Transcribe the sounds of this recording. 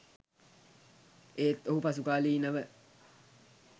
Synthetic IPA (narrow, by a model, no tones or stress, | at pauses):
eet̪ːohupɑsukɑːliːnaʋe